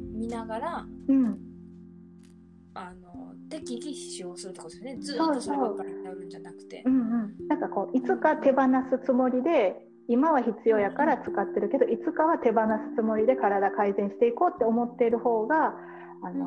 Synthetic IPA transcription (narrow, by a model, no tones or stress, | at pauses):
mʲinaɡaɾaɯ̟̃ɴ | anot̪ekʲiɡʲi̥ɕioːsɨɾɯt̪ːokod̪esonezɨso̞ːoːkaɾoɾɯ̟̃ɲd͡ʑanakɯ̟̥t̪e̞̰ɯ̟̃ɴɯ̟̃ɴnãŋkako̞ːʔit͡sɨkat̪e̞banasɨt͡sɨmo̞ɾʲid̪e̞ | imaβ̞açit͡sɨjo̞ːjakaɾat͡sɨ̥kat̪ːe̞ɾɯ̟ke̞d̪o̞ʔit͡sɨkaβat̪e̞banasɨ̥t͡sɨmo̞ɾʲid̪e̞kaɾad̪akaizẽ̞ɰ̃ɕi̥t̪e̞iko̞ːt̪ːe̞o̞mo̞t̪ːe̞ɾɯ̟ho̞ːɡaː | no